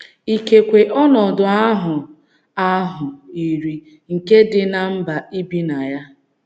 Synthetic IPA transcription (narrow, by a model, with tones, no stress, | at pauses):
i˨ke˨kʷe˨ʔɔ˦nɔ˨dʊ˨a˦ɦʊ˨ | a˦ɦʊ˨i˨ɾi˦ | ŋ̩˨ke˦dɪ˨na˨m̩˦ba˨i˦bi˦na˨ja˦